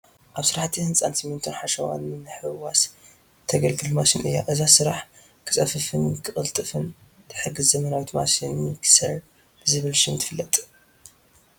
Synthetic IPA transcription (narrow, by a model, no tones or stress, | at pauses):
ʔaβsɨɾaħt̪ʰihɨnsʼansɨmːɨnt̪ʰɨnħaʃɐwa̰nːɨnɨħɨwas | t̪ʰɐɡɐlɡɨlmasinʔɨ̰jːa̰ʔɨzasɨɾaħ | kʰɨ̥t͡sʼɐfɨfɨnkʰɨχʼɨlt̪ʼɨfɨn | t̪ʰɨ̥ħɨɡɨzzɐmɐnawit̪ma̰sinɨkʰɨ̥sɐɾ | b̥ɨzɨβɨlʃɪnt̪ʰɨfɨlːɐt̪ʼ